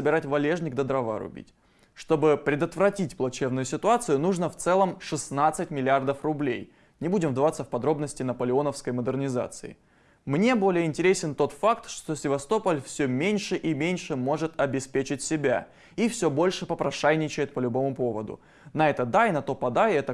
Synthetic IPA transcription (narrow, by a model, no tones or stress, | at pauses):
səbʲɪɾatʲvɐlʲe̞ʐnʲɪk̚d̪əd̪ɾɐva̰ɾʊ̰bʲḭtʲ | ʂt̪o̞bɨpɾʲɪd̪ət̪vɾɐtʲitʲplˠɐt͡ɕevnʊjʊsʲɪt̪ʊat̪sɨjʊnuʐnəft̪sɛlˠəmʂɨsnat̪sɨtʲmʲɪlʲɪard̪əfrʊblʲḛj | nʲɪbudʲɪmvd̪ɐvat̪sːəfpɐd̪ɾo̞bnəsʲtʲɪnəpəlʲɪo̞nəfskəjməd̪ɨrnʲɪza̰t̪sɨɪ̰ | mnʲe̞bo̞lʲɪjəɪnʲtʲɪɾʲesʲɪnt̪o̞t̪fakt̪ʂt̪osʲɪvɐst̪o̞pəlʲfsʲɵmʲenʲʂɨʔimʲenʲʂɨmo̞ʐɨt̪ɐbʲɪspʲet͡ɕɪtʲsʲɪbʲa̰ | ifsʲɵbo̞lʲʂɨpəpɾɐʂajnʲɪt͡ɕɪjɪt̪̚pəlʲʊbo̞mʊpo̞və̰d̪ʊ̰ | nɐɛt̪əd̪ajnɐt̪o̞pɐd̪ajɛt̪ə